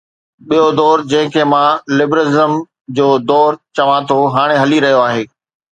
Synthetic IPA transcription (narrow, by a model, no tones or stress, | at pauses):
ɓijod̪ɔːɾd͡ʑɐ̃ɦɪ̃kʰeːmãlɪbɾɪzəm | d͡ʑoːd̪ɔːɾt͡ɕɐʋãt̪ʰoɦaːɽ̃eɦɐliɾɐɦijoaːɦeː